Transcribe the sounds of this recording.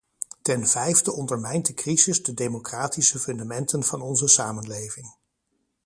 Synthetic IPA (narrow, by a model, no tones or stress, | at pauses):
tɛnv̥ɛjvdəʔɔndəɹmɛjntdəkrizɪzdədejmokraːtisəfɵndamɛntənv̥ɑnɔnzəsaːmənlejvɪŋ